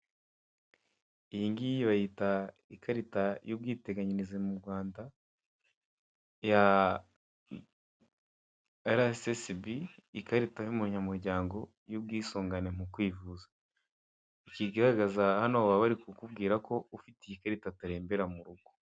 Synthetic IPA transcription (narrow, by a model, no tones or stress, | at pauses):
iiŋɡijiβajita | ikʰaɾitajub̚ɡiːte̞ɡaɲinizemuɾɡwaːnda | ja | aɾasesbiːkaɾitajumuɲamuɾɟaːŋɡo̞ | jub̚ɡiːsoːŋɡane̞m̥ukwiːvuzḁ | ikiɡaɾaɡazahanoːβaβaɾikukubɡiːɾakʰo̞ufitejikaɾitataɾe̞ːmbe̞ɾamuɾuɡ̥o̥